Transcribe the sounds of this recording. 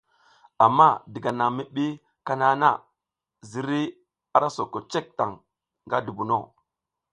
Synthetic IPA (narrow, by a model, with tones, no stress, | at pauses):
a˨mːa˦˨di˨ɡa˨na˨mi˦ɓi˦ | ka˦na˦na˦ | zi˨ɾi˦ | a˦ɾa˦so˨ko˨t͡ʃe˦k̚ta˨ŋ | ŋɡa˦du˨bu˨no˦˨